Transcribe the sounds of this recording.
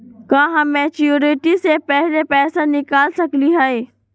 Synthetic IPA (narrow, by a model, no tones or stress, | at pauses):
kãːɦãmɛːt͡ʃjuːɾeʈisepɛɦɪlepɛːsanɪkaːlsɐkliɦaːɦeː